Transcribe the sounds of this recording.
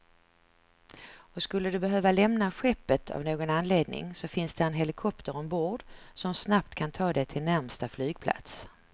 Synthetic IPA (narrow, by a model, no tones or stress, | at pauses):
ɔskɵlːəd̪ɵbɛɦøːvalɛmnaɧɛpːət̪ʰa̰vnoːɡɔnanleːd̪nɪ̰ŋsɔfɪnsd̪ɛɛnɦɛlɪkʰɔpt̪əɾɔmboːɖsɔmsnap̚t̪kʰant̪ʰɑːd̪ɛt̪ʰɪlnæɾmst̪aflyːɡ̚pʰla̰t̪s